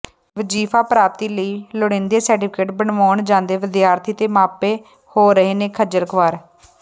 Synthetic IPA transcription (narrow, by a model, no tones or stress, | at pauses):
ʋəd͡ʒiːpʰaːpɾaːp̚t̪iːləiːləɽẽːnd̪eːsəɾʈiːpʰkeːʈbəɳʋaːɳd͡ʒãːnd̪eːʋɪd̪jaːɾt̪ʰiːt̪eːmaːpeː | hoːɾəɦeːneːkʰəd͡ʒəlkʰʋaːɾ